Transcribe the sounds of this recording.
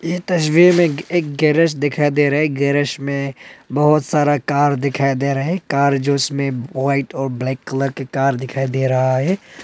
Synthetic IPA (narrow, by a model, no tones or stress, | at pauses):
jet̪ɐʃwiːmẽeːk̚ɡɛːɾəʃd̪ɪkʰaːid̪eɾɐɦɛɡɛːɾəʃmẽbɐɦʊt̪saːɾakaːɾd̪ɪkʰaːid̪eɾɐɦekaːɾd͡ʒoɪsmẽʋaːɪʈɔːɾblɛːkːələɾkekaːɾd̪ɪkʰaːid̪eːɾɐɦaɦɛː